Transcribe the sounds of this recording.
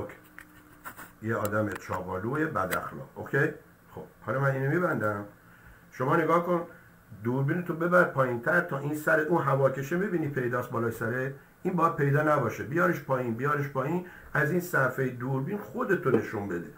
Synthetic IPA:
kʰ | jeɒ̰ːd̪æmet͡ʃʰɒ̰ːbɒːluːebæ̰d̪æ̰xlɒ̰qokʲʰej | xob̥̚hɒlmæniːnomibænd̪æm | ʃo̞mɒːne̞ɡɒːhkon | d̪uɾbiːnet̪ʰobe̞bæɾpʰɒːjint̪ʰæɾt̪ʰɒːʔiːnsæɾeʔũːnɦævɒːkʰe̞ʃemebiːniːpʰe̞jd̪ɒːst̪̚bɒːlɒːjsæɾe | iːnbɒjæd̪̚pʰe̞jd̪ɒːnæbɒːʃebijɒːɾeʃpʰɒːjiːnbijɒːɾeʃpʰɒːjin | æziːnsæfejed̪uːɾbiːnxod̪e̞t̪ʰone̞ʃunbe̞d̪e

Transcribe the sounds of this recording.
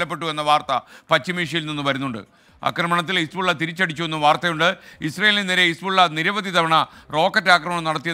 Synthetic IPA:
ɐpːe̞ʈːue̞nːɐʋaːrt̪ɐpɐt͡ɕːimiːʂ̬ijilninːuʋɐɾunːuɳɖɨ̰ | ɐ̰krɐmɐɳɐt̪ːilisbuɭːɐt̪iɾit͡ɕːɐɽit͡ɕːuʋenːuʋaːrt̪ɐjuɳɖɨisrejeːlinːeɾeisbuɭːɐniɾɐʋɐd̪id̪ɐʋɐɳɐro̞ːkːɐtːaːkrɐmɐɳɐmnɐɽɐt̪ːijɐ

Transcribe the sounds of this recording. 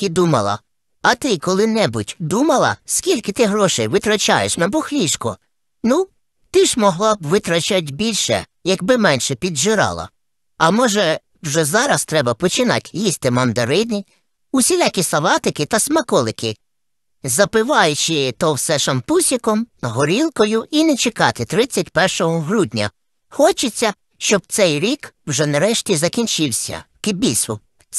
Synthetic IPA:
t̪ɪd̪umɐlˠɐ̰ | ɐt̪ɪkɔlˠɪnɛbʊtʲd̪umɐlˠɐ̰skʲilʲkɪt̪ɪɦɾɔʃɛjʋɪt̪ɾɐt͡ʃɑ̰jeʃnɛbɔxlʲiʃkɔ | nu | t̪ɪʒmɔɦlˠɑbʋɪt̪ɾɐt͡ʃat̚ʲbʲilʲʃɛ̰ | jɐɡbɪmɛnʃɛpʲid̪ʒɪɾɑ̰lˠɐ̰ | ɐmɔʒɛ | wʒɛzɑɾɐst̪ɾɛbɐpɔt͡ʃɪnɑ̰tʲjisʲt̪ɪmɐnd̪ɐɾɪd̪nʲi | ʊsʲilʲakʲisɐlˠɑt̪ɪkɪt̪ɐsmɐkɔlˠɪkɪ | zɐpɪʋɑjʊt͡ʃɪt̪ɔwsɛʃɐmpusʲikɔmɦɔɾʲilˠkɔjʊinɛt͡ʃɪkɑt̪ɪt̪ɾɪt͡sʲːɐtʲpɛrʃɔɦɔɦɾud̪ʲnʲɐ̰ | xɔt͡ʃɪt͡sʲːɐ | ʃt͡ʃɔb̚t̪sɛjɾʲikwʒɛnɐɾɛʃtʲizɐkʲinʲt͡ʃɪwsʲɐ̰kɪbʲisʊ

